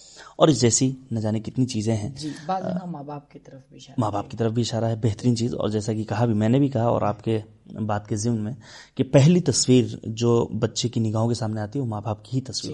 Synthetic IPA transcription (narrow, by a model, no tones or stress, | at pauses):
ɔːɾjed͡ʒɛːsinɐd͡ʒaːnikɪt̪nit͡ʃiːzẽɦɛ̃ːd͡ʒibamaːbaːp̚kit̪ɐɾəmaːbaːpkit̪ɐɾəfbʱiɪʃaːɾaɦɛbɛɦt̪əɾiːnt͡ʃiːzɔ̰ːɾd͡ʒɛːsakikɐɦabʱimɛ̃ːnebʱikɐɦaɔ̰ːɾa̰ːpke | baːd̪kezɪmnmẽ | kipɛɦlit̪ɐswiːɾd͡ʒoːbɐtːʃekinɪɡaːɦõkesaːmneaːt̪iɦɛʋomaːbʱaːp̚kiɦit̪ɐswḭːɾ